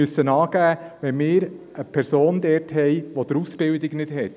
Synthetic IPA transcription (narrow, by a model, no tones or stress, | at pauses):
ysənɑːɡæːʋɛnmɪːɾ | əpʰɛɾsoːnd̪ɛɾtɦɛjʋod̪̥əɾusb̥ɪldɪɡnɪtɦɛt